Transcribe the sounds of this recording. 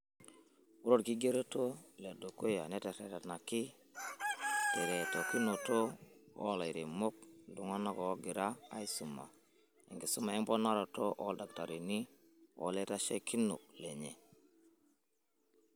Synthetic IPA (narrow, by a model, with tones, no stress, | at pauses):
u˦ɾo˦ɾki˦ɡe˦ɾo˦to˦le˨do˨ko˦ja̰˨ne˦te˨ɾe˨ta˨tna˨ki˦ | te˨ɾe˨to˨ki˦no˨to˦o̰˦˨la˨i˨ɾi˨mo˦k̚du˨ŋa˦na˦ko˨˦ɡi˨ɾa˦a̰˦i˦su˨ma̰˨ | ḛ˨ŋɡi˨su˦ma˨e˦ŋbo˦na˦ɾo˨to˦ʔo˦lda˨k̚ta˨ɾi˨ni˦ | o̰˨˦le˦ta˦ʃe˦ki˦nṵ˨k̚le˨ɲe˨